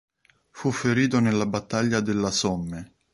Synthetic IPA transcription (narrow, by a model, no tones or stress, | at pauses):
fufːeɾiːt̪̬onelːabat̪ːaʎːad̪elːasɔmːe